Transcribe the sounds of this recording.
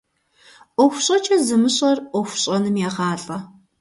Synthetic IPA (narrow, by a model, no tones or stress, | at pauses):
ɔxʷɕʼɐt͡ʃʰɐzɨmɨɕʼɐrʔʷɔxʷɕʼɐnɨmjaːʁaːɬʼɐ